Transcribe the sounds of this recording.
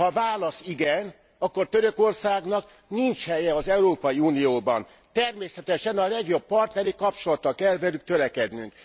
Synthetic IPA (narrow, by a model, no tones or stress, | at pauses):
hɒvaːlɒsiɡɛn | ɒkːo̞rt̪ø̞ɾøko̞rsaːɡnɒk | nint͡ʃhɛjɛɒzɛuɾoːpɒjiuːnijoːbɒ̰n | t̪ɛrmeːsɛt̪ɛʃɛnɒlɛɡjo̞bːɒrt̪nɛɾikɒp̚t͡ʃo̞lɒt̪ːɒkɛlvɛlyk̚t̪ølɛkɛd̪nyŋk